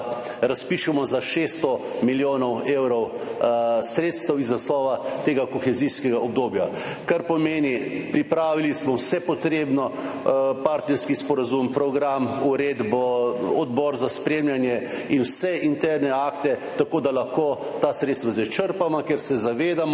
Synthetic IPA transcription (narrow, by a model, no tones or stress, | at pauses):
ɾaspiːʃɛmɔzaʃest̪ɔ | miljoːnɔwewɾɔw | sɾeːt̪st̪ɛwiznaslɔːʋat̪eːɡakɔxɛziskɛɡaɔb̚d̪oːbja | kaɾpɔmeːnipɾipɾaːʋilismɔwsɛpɔt̪ɾeːbnɔ | paɾt̪nɛɾskispɔɾazumpɾɔɡɾamuɾeːd̪bɔɔd̪bɔɾzaspɾeːmljanjɛinwsɛʔint̪ɛɾnɛaːkt̪ɛt̪akoːd̪alaxkoː | t̪asɾet̪st̪ʋazɛt͡ʃəɾpamakɛɾsɛzaʋeːd̪amɔ